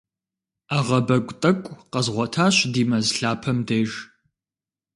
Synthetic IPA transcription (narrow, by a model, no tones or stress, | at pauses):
aːʁɐbɐɡʷʼtʼɐkʷʼqɐzʁʷɔtʰaːɕdiːmɐzɬaːpʰɐmdeːʒ